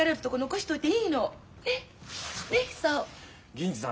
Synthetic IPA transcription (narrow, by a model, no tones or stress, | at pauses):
aɾɯpɯ̥t̪okonoɡoɕi̥t̪oit̪ːeiːno | eneso | ɡʲĩnt͡ɕisã̰